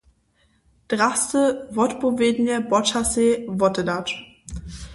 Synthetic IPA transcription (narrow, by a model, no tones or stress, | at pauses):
d̥ʁastəvɔtbovednjəbɔt͡ʃasevɔtədat